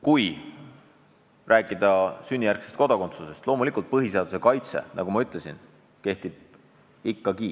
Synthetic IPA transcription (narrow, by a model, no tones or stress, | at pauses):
kuj | rʔæːkːˑid̪ɑsynʲːijærksest̪̚ko̞d̪̥ɑko̞nt̪suse̞st̪lo̞ːmulikˑult̪̚pɤɦise̞ɑd̪use̞kɑjt̪se̞̰nʔɑ̰ɡ̥umɑyt̪ˑlesḭn | ke̞ht̪ib̥̚ | ikːɑkiː